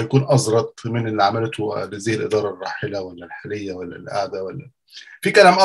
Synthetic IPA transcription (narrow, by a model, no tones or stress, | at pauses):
jakuːnʔɑzˤɾˤɑt̪ˤmɪnɪlʕamælt̪ʊlɪzajːɪlʔɪ̰d̪ˤɑːɾˤɑrˤːɑːħɪlawælːælħalɪjːawælːæ̰lʔa̰ʕd̪awælːæ | fikælæːmʔɑ